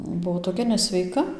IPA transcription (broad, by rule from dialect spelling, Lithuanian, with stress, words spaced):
ˈbuɔ toːˈkʲɛ nʲɛsʲʋʲɛɪˈkɐ